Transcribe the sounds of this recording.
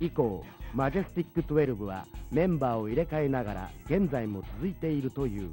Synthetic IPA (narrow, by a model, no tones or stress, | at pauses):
iko̞ːmaʑesɨ̥t̪ʲikːɯ̟t̪oe̞ɾɯ̟bɯ̟βa̰mẽ̞mbaːo̞iɾe̞kaenaɡaɾa̰ɡ̥ẽ̞nd͡zaimo̞t͡sɨzɨit̪e̞iɾɯ̟t̪o̞jɯ̟ː